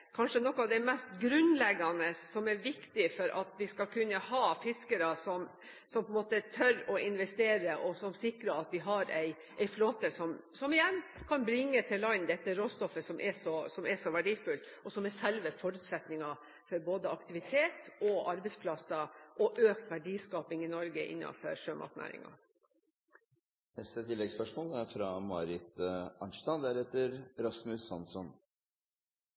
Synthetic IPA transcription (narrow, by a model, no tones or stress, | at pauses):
kʰɑnʂənɔkːɑʋd̪ɛmɛst̪ɡɾʉnlɛɡːɑnəsɔmɛɾʋɪkt̪ɪfɔɾʔɑ̰t̪ʋɪskɑkʰʉnːəhɑːfɪskəɾɑsɔm | sɔmpʰɔɛnmoːt̪ət̪ʰœɾɔɪnʋɛst̪eːɾəʔɔsɔmsɪkɾəɑt̪ʋɪɦɑɾæɪ | ʔæɪfloːt̪əsɔm | sɔmɪjɛnːkʰɑnbɾɪŋːət̪ʰɪlɑɪnd̪ɛt̪ːəɾoːst̪ɔfːəsɔmʔɛʂɔsɔmɛʂɔʋæɖiːfʉlt̪ɔsɔmɛsɛlʋəfɔɾʉːt̪sɛt̪nɪŋɑ | fɔɾboːd̪əɑkt̪ɪʋɪt̪ʰeːt̪ɔʔɑɾbɛɪspʰlɑsɑʔɔʔøːkt̪ʋæɖiːskɑːpɪŋɪnɔɾɡəʔɪ̰nːɑ̰nfɔ̰ɾʂøːmʔɑ̰ːt̪næ̰ːɾɪ̰ŋɑ̰ | nɛst̪ət̪ʰɪlːɛɡspœʂmoːləæɾfɾɑmɑɾɪt̪ɑnʂt̪ɑnd̪æɾeːt̪əɾɾɑsmʉsːɑnsɔn